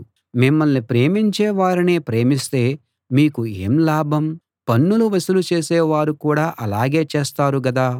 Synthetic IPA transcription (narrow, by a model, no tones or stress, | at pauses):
mimːɐlnipɾe̞ːmiɲt͡ʃɛːʋaːɾineːpɾe̞ːmist̪e̞ː | miːkuḛːmlaːbʱɐm | pɐnːuluʋɐsulut͡ʃe̞ːseːʋaːɾukuːɽaːʔɐlaːɡe̞ːt͡ʃeːst̪aːɾuɡɐd̪aː